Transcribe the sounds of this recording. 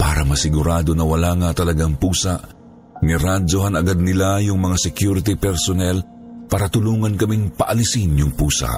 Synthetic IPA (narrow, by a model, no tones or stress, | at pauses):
paːɾɐmɐsɪɡʊɾaːd̪onɐwɐlaːŋat̪ɐlɐɡaŋpuːsaʔ | nɪɾad͡ʒohɐnɐɡad̪̚nɪlajʊŋmɐŋasɛkjuːɾɪt̪ipɛɾsonɛl | paːɾɐt̪ʊluːŋɐnkɐmiŋpɐʔɐlɪsinjʊŋpuːsa̰ʔ